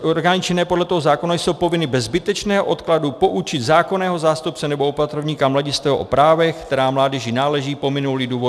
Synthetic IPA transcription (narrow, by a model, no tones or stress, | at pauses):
oɾɡaːnɪt͡ʃɛnɛːpodlɛt̪oɦozaːko̞najsowpo̞vɪnɪbɛzbɪt̪ɛt͡ʃnɛːɦoʔo̞t̪kladupo̞ʔut͡ʃɪt̪zaːko̞nɛːɦo̞zaːst̪up̚t͡sɛnɛbo̞opat̪ɾovɲiːkamlaɟɪst̪ɛːʔopɾaːvɛxkt̪ɛɾaːmlaːdɛʒɪnaːlɛʒiːpo̞mɪnulɪduːvo